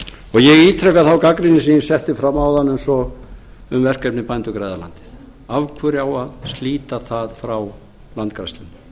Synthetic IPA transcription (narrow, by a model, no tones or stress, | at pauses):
ɔɣjɛɣiːt̪ʰɾɛkːaθawkakɾinɪsiːnɪsɛht̪ɪfɾamːawðanːʏmsɔ | ʏmvɛr̥kɛpnɪpajnt̪ʏkɾajða̰la̰nt̪ɪ̥ð̥ | avkʰvœːɾɪawaðst̪liːt̪aθaðfɾaw | lant̪kɾa̰jst̪ɪnːɪ